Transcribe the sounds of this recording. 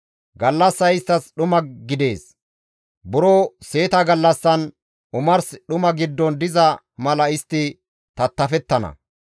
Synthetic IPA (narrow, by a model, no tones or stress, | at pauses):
ɡɐlːɐsːɐɪst̪ːɐsɗʊmɐɡɪd̪e̞ːs | bʊɾoːse̞ːt̪ɐɡɐlːɐsːɐn | ʔʊmɐɾsɗʊmɐɡɪd̪ːɔnd̪ɪzɐ | mɐlɐɪst̪ːɪ | t̪ɐt̪ːɐfɛt̪ːɐnɐ̰